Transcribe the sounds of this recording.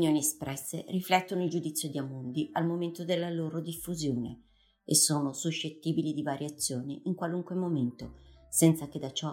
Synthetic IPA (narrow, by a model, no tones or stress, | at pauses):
njoːniespɾɛsːḛriflɛt̪ːonoild͡ʒud̪it̪sːjod̪iamond̪ialmoment̪od̪elːaloːɾod̪ifːuzjoːnḛ | esːoːnosuʃːet̪ːiːbilid̪ivaːɾjat̪sːjoːnḭʔiŋkwaluŋkwemoment̪osɛnt̪sak̟ed̪ːat͡ʃɔ